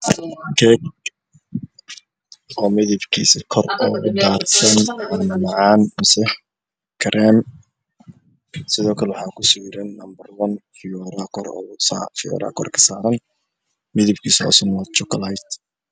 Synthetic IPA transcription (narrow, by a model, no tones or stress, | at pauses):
kʰɛk | ɔːmɪðɪbkʰiːsɪkʰɔrɔːɣʊd̪aːrsʰɐnʕanɐmɑʕɑːnmɐsɛħ | kʰɐɾʔan | sɪðɔːkʰɐlɛwɑħɑːkʰʊsɔwɪɾɛnːɐmbɐrwɐnfɪɔɾakʰɔɾɔ̰fɪjɔ̰ɾa̰ːkʰɔrkʰɐ̥saːɾɐn | mɪðɪbkʰiːsɔ̰ːsɐnwat͡ʃɔkʰɐlajt̪